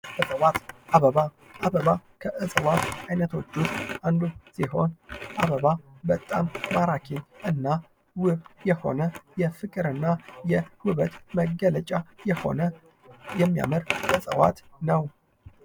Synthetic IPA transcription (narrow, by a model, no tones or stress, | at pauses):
bəsʼəwat̪ʔaβəβa | ʔaβəβakʰəʔɨsʼəwat̪ajnət̪ʰo̞t͡ʃːust̪and̪usiho̞nʔaβəβabət̪ʼːa̰mːaɾakʰeɲʔɨnːa | wɨβjɛho̞̰nəjɛfɨkʼɨɾɨnːajɛwɨβət̪məɡələt͡ʃʼajɛho̞̰nə | jɛmːija̰məɾɨsʼə̰wa̰t̪nəw